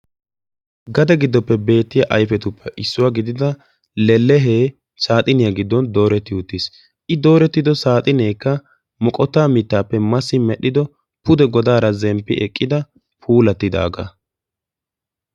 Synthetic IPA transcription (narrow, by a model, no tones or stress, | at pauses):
ɡɐd̪ɛɡɪd̪ːɔpːɛbe̞ːt̪ːɪjɐʔɐjfɛt̪ʊpʰːɛʔɪsːʊwaːɡɪd̪ɪd̪ɐ | lɛlːɛɦeː | saːt̪ʼɪnɪjaɡɪd̪ːɔnd̪o̞ːɾɛt̪ːɪʊt̪ːis | ʔɪd̪o̞ːɾɛt̪ːɪd̪ɔsaːt̪ʼɪneːkːɐ | mɔkʼɔt̪ːaːmɪt̪ːaːpːɛmɐsːɪmɛɗɪd̪ɔ | pʊd̪ɛɡɔd̪aːɾɐzɛmpːɪ̰ʔɛkʼːɪd̪ɐ | pʰuːlɐt̪ːɪd̪a̰ːɡɐ̰